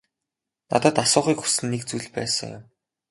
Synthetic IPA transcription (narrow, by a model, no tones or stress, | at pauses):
na̰t̪ɔ̆ːt̪asʊːχiːkxu̥sɘ̆nːek̚t͡sujɮpæ̰ːsə̰̆ŋjʊ̰m